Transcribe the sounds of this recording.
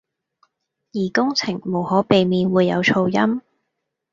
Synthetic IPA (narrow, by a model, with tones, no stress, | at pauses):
jiː˨˩kʊ˥ŋt͡sʰɪ˨˩ŋmo˨˩whɔː˨˥pe˨jmiː˨˧nwuː˨˧jːɐ˨˧wt͡sʰo˧wjɐ˥m